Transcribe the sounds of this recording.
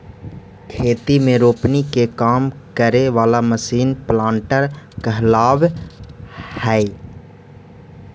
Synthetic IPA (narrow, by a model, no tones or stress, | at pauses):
kʰeːt̪imẽɾoːpnikekaːmkəɾeʋaːlaməsiːnplãːɳʈəɾkəɦlaːʋ | hɛː